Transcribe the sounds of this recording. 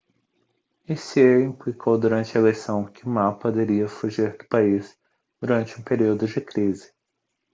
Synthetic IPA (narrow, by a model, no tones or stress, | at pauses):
iseĩplikʰowd̪uɾɐ̃nt͡ʃɪɐelesɐ̃w̃kɪʊmapod̪eɾiɐfuʒiɾd̪ʊpais | d̪̥uɾɐ̃nt͡ʃɪũpeɾiwd̪ʊd͡ʒɪkɾizɪ̥